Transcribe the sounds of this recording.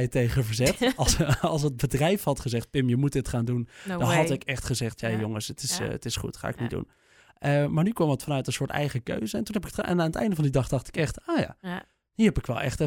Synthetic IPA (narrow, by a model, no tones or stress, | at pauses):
jtejχəvəɹzɛtˠsɑlˠs̬əd̚bədrɛjfhɑtχəzɛχt̚pɪmjəmut̚dɪtχaːndundɔnɦɑtɪkɛχtχəzɛχtjajoŋəsətɪstɪsχṵtχa̰ːɪknidṵn | ʔəmaːɹnykʋɑmətfɑnœɥtənsʊːɹtɛ̰jχəkø̰ɥzəɛntunɦɛpɪktɛ̰naːnətɛ̰jndəvɑndidɑχdɑχtɪ̥kɛχtoːja̰ː | diːɦɛpɪkʋɛ̰lˠɛ̰χtə